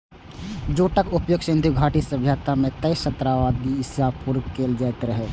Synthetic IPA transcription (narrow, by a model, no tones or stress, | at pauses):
d͡ʒoːʈəkʊpjoːɡʃẽnd̪iɡʱaːʈisəbʱjaːt̪amẽt̪əjʃət̪ɾaʋaːd̪iɪsjaːpuɾɡkeːld͡ʒəːɛt̪ɾəɦeː